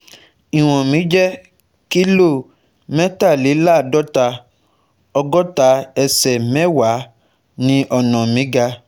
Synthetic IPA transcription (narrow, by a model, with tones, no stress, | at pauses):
i˨w̃ɔ̃˨mĩ˨˦d͡ʒɛ˦ | ki˦lo˦˨ | mɛ̃˦ta˦˨li˨˦la˦˨dɔ˦ta˧ | ɔ˧ɡɔ˦ta˧˦ɛ˧sɛ˨mɛ̃˦wa˨˦ | nĩ˧ʔɔ˧˨nã˨mĩ˨˦ɡa˧